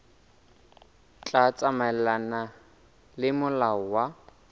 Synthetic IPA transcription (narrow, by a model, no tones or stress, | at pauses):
t͡ɬʼat͡sʼamalana | lɪmʊlaʊwa